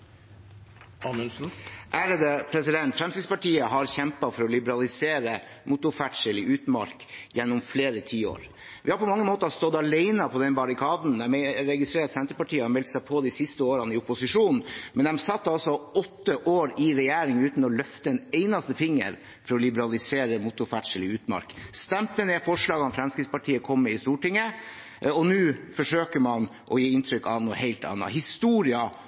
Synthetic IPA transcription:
ɑsn̩ʔæːɾəd̪əpʰɾɛsɪd̪ɛnt̪fɾɛmsɪɡ̪spɑʈʰiːəɦɑɾçɛmpɑfɔɾɔlɪbəɾɑlɪseːɾə | mʔʊt̪ʊfæʈʂəlɪʔʉːt̪mɑ̰ɾkjɛnːʊmfleːɾət̪ʰiːo̰ːɾ | ʋɪhɑɾpɔmɑŋːəmoːt̪ɑst̪ɔd̪ɑleɪnɑpʰɔd̪ɛnbɑɾɪkʰɑːd̪n̩d̪æmɛɾɛɡɪst̪ɾeːɾt̪sɛnt̪əpɑʈiːəhɑɾmɛlt̪sæɪpʰɔd̪iɪsɪst̪əoːɾɑnəɪʊpʊsɪʂuːnnmɛnd̪ɛmsɑt̪ːəɑlsɔɔt̪ːəʔoːɾɪɾɛjæːɾɪŋʉːt̪n̩ɔlœft̪əɛneɪnɑst̪əfɪŋːə̰ɾ | fɔɾɔlɪbəɾɑlɪseːɾəmʊt̪ʊɾfæʈʂəlɪʉːt̪mɑ̰ɾkst̪ɛmt̪ənɛfɔʂɭɑːɡɑnfɾɛmskɾɪkspɑʈʰiːəkʰɔmːəɪst̪uːʈɪŋːə | ɔnʉːfɔʂøːkəmɑnʔɔjeːɪnt̪ʰɾʏkɑʋnuːəheɪlt̪ɑ̰nːɑ̰hɪst̪uːɾɪɑ

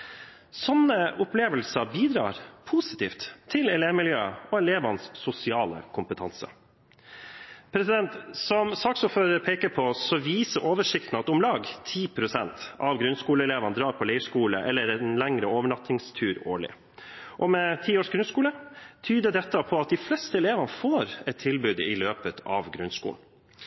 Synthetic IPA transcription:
sɔnəʊpleːʋəlsɑbiːd̪ɾɑ̰ːɾpʰuːsɪ̥t̪ʰḭːft̪ʰːɪlɛleːʋmɪljøːəɔɛleːʋɑnsːʊsɪɑːlə̰kʰʊmpət̪ʰɑnsə̰ | pʰɾɛsɪd̪ɛnt̪sɔmsɑksuːɾføːɾəɾpʰeːkəpʰɔsɔʋiːsəʔoːʋəʂɪkt̪n̩ɑt̪ʊmlɑːɡt̪ʰiːpʰɾʊsɛnt̪ɑʋɡɾʉnskuːləɛleːʋɑnəd̪ɾɑːɾpʰɔlɛɪʂkuːlə̰ʔɛlːəɾɛnlæŋɾəoːʋəɳɑt̪ɪŋst̪ʰʉːɾo̰ːɭɪ̰ | ʔɔmɛt̪ʰiːoːʂɡɾʉnskuːlət̪ʰyːd̪əd̪ɛt̪ːəpʰɔɑt̪̚d̪ɪflɛst̪əɛleːʋɑnəfoːɾɛt̪t̪ʰːɪlbʉːd̪ɪ̰løːpət̪ʰɑ̰ʋɡɾʉnskṵːln̩

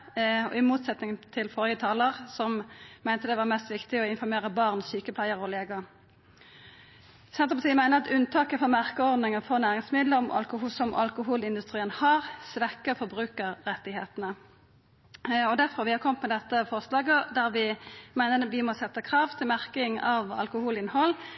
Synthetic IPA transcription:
ɔ̰ɪmuːt̪sɛt̪nɪŋt̪ʰɪlfɔʁjət̪ʰɑːləʁsɔmmæɪnt̪əd̪ɛʋɑːʁmɛst̪ʋɪkt̪ɪɔɪnfɔɾmeːɾəbɑːʁnsyːkəpʰlæɪəʁɔleːɡə | sɛnt̪ʁəpsiːmæɪnəʁɑt̪ʉnt̪ʰɑːkəfɔmæʁkəɔʁd̪nɪŋəfɔʁnæːʁɪŋsmɪd̪ləɔmɑ̰lkʊhuːsɔmʔɑ̰lkʊɦuːlɪnd̪ʉst̪ʁiːənhɑːʁsʋɛkːəfɔʁbʁʉːkəʁːɛt̪ːɪhḛːt̪ənə | ɔd̪æʁfɔʁʋɪhɑkʰɔmət̪mɛd̪ɛt̪ːəfɔʁslɑːɡəd̪æʁʋɪmæɪnəʋɪmɔsɛt̪ːəkʰʁɑːʋt̪ʰɪlmæʁkɪŋɑʋɑ̰lkʊhuːlɪnhɔlː

